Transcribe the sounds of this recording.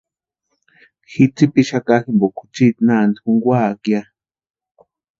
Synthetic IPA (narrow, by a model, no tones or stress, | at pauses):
xit͡sipiʃakaximbokʰu̥t͡ʃit̪nand̪ixuŋɡwakja